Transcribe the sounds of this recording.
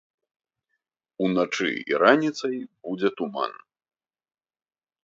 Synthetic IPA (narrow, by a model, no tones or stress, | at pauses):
unat͡ʂɨ̰ḭɾanʲit̪sɐjbud͡zʲɛt̪uma̰n